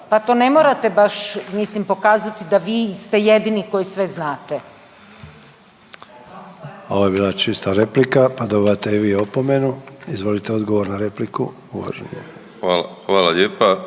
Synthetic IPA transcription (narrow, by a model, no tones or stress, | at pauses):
pat̪o̞ːne̞moːɾat̪e̞baʃmislimpo̞kaːzat̪id̪aʋiːst̪ejed̪iniko̞jisʋe̞znaːt̪e | o̞ʋoje̞biːlˠat͡ʃist̪aɾe̞plikapad̪obiʋat̪eiʋiːopomenuizʋo̞lit̪eo̞d̪ɡo̞ʋo̞ɾnaɾe̞pliku | uʋa̰ʒḛɲi | aːlaxʋaːlaʎeːpa